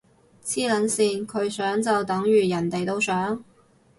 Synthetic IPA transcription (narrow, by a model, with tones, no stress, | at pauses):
t͡sʰiː˥lɐ˨˥nsiː˨˧nkʰɵ˨˧ɥsœː˨˥ŋt͡sɐ˨wt̪ɐ˨˥ŋjyː˨˩jɐ˨˩nt̪e˨jt̪o˥wsœː˨˥ŋ